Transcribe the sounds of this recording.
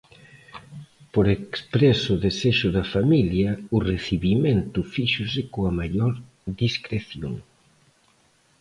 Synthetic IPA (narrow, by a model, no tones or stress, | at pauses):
poɾekspɾesʊðeseʃʊðɐfamiljɐʊreθiβimẽnt̪ʊfiʃʊsɪkoɐmaʎoɾ | ðiskɾeθjo̰ŋ